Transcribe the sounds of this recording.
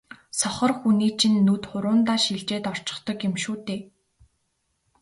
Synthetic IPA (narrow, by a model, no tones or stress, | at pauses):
sɔχɞ̆rxuniːt͡ɕʰĭnːut̪χʊɾʊːnt̪aːʃiɮt͡ɕeːt̪ɔr̥t͡ɕɪ̥̆χt̪ɞ̆kjemʃuːt̪eː